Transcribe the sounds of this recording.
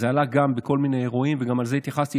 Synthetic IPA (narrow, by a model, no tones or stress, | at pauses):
zealaɡambeko̞lmineʁoimveɡamalzeit̪jaχast̪i